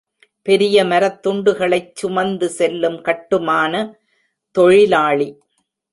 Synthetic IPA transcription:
pɛɾɪjɐmɐɾɐt̪ːʊɳɖɯɣɐɭɐɪt͡ʃːʊmɐnd̪ɯsɛlːɯmkɐʈːɯmaːnɐ | t̪ɔɻɪlaːɭi

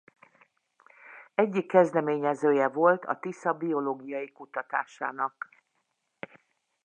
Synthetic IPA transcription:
ɛɟːikːɛzd̪ɛmeːɲɛzøːjɛvo̞lt̪ʰɒ̰t̪isɒbio̞loːɡijɒjikut̪ɒt̪aːʃa̰ːnɒk

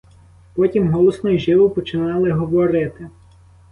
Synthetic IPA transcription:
pɔtʲimɦɔlˠɔsnɔjʒɪʋʊpɔt͡ʃɪnɑlˠɪɦɔʋɔɾɪt̪ɪ

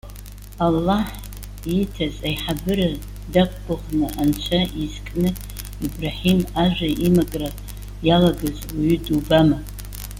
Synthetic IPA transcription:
alːaħ | itʰazʼajħabɨɾa | dak̚ʷʰʼɡʷʊʁnɨʔant͡ʃʷʰaizkʼnɨ | ibraħimaʒʷᶣaʔimakʼra | jalaɡazwaɥydubama

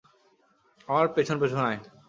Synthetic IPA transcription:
aaɾpet͡ɕʰonpet͡ɕʰonaj

